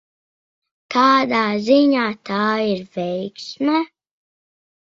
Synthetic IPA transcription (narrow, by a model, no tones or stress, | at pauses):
k̪ʰaːd̪aːziɲaːt̪ʰaːiɾvɛjksmɛ